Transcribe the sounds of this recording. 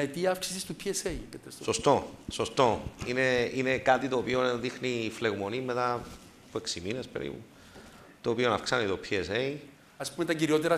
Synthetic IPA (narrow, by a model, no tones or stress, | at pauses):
et̪iɐɐfksi̥sist̪upʰieseikɐt̪esso̞st̪o̞so̞st̪o̞ine̞ine̞kat̪it̪o̞ːpioðixnifle̞ɣmo̞nimːe̞t̪ɐ | pueksimine̞spe̞̰ɾḭpṵ | t̪oːpionɐfksanit̪o̞pʰiese̞i | ɐspumet̪ɐciɾio̞t̪eɾɐ